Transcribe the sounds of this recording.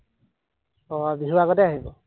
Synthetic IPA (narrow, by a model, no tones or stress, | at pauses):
ɔbiɦuaɡɔtɛaɦibɔ